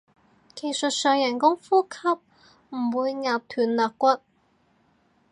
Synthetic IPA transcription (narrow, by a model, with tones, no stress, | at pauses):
kʰe˨˩jsɵ˨t̚sœː˨˧ŋjɐ˨˩nkʊ˥ŋfuː˥kʰɐ˥p̚ | m̩˨˩wuː˨˧jŋaː˨p̚t̪ʰyː˨˩nlœː˨˧kːʷɐ˥t̚